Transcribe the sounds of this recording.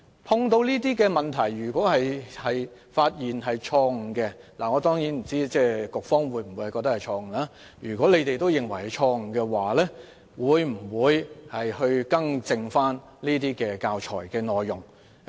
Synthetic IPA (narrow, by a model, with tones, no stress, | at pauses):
pʰʊ˧ŋt̪o˧wliː˥t̪iː˥kɛː˧mɐ˨nt̪ʰɐ˨˩jɥyː˨˩kʷwɔː˨˥hɐ˨jhɐ˨j | faː˧t̚jiː˨nɦɐ˨jt͡ʃʰɔː˧ŋ̩˨˩kɛ˧laː˨˩ŋɔː˨˧t̪ɔː˥ŋji˨˥nm̩˨˩t͡siː˥t͡sɛː˥˩kʊ˨k̚fɔː˥ŋwuː˨˧jm̩˨˩wjhjkɔ˧k̚t̪ɐ˥khɐ˨˩jt͡ʃʰɔː˧ŋ̩˨˩laː˥ | jyː˨˩kʷwɔː˨˥le˨˧t̪e˨jt̪o˥wjɪ˨ŋwɐ˨˩jhɐ˨˧t͡ʃʰɔː˧ŋ̩˨˩kɛː˧waː˨lɛ˥ | wuː˨˧jm̩˨˩wuː˨˧jhɐ˨jhɵ˧ɥkɐ˥ŋt͡sɪ˧ŋfaː˥n | liː˥t̪̬iː˥kɛː˧kaː˧wt͡ʃʰɔ̰ː˨˩jkɛː˧nɔː˨˩jːʊ˨ŋ